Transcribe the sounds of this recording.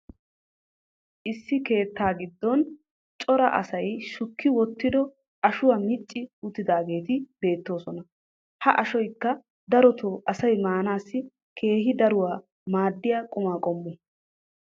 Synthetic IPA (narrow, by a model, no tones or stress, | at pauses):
ʔɪsːɪke̞ːt̪ːaːɡɪd̪ːɔn | t͡ʃʼɔɾɐ̰ʔɐ̰sɐjʃʊkːɪwɔt̪ːɪd̪ɔ | ʔɐʃʊwaːmɪt͡ʃʼːɪʊt̪ːɪd̪aːɡe̞ːt̪ɪbe̞ːt̪ːo̞ːsɔnɐ | hɐʔɐʃɔjkːɐ | d̪ɐɾɔt̪ʰoːʔɐsɐjmaːnaːsːɪ | kʰe̞ːɦɪd̪ɐɾʊwaː | maːd̪ːɪjaːkʼʊmaːkʼɔmːɛ